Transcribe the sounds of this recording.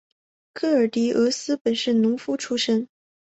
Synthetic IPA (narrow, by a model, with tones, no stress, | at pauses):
kʰɤ˥˩ə˞˨˩t̪i˧˥ɤ˧˥sɹ̩˥pə˨˩nʂɻ̩˥˩nʊ˧˥ŋfu˥ʈ͡ʂʰu˥ʂə˥ŋ